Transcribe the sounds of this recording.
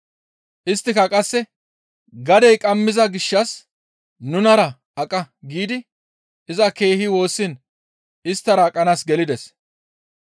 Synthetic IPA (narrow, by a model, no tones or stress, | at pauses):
ʔɪst̪ːɪkɐkʼɐsːɛ | ɡɐd̪ɛjkʼɐmːɪzɐɡɪʃːɐs | nʊnɐɾɐ | ɐkʼɐɡiːd̪ɪ | ɪzɐke̞ːhɪwo̞ːsːɪn | ɪst̪ːɐɾɐːkʼɐnaːsɡɛlɪd̪ɛs